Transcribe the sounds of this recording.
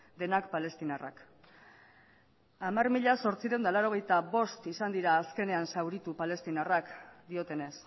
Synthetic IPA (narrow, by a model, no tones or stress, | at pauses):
d̪e̞nakpale̞st̪inara̰k | amarmiʎaso̞ɾt͡siɾe̞nd̪alaɾo̞ɣ̞e̞jt̪aβo̞st̪isand̪iɾaːske̞ne̞ansawɾit̪upale̞st̪inarakd̪io̞t̪e̞ne̞s